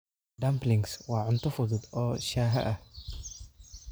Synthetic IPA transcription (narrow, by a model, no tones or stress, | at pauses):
d̪ɐmplɪŋswaːʕʊnt̪ʊfʊðʊd̪ɔːʃaːɦɐ̰ʔɐh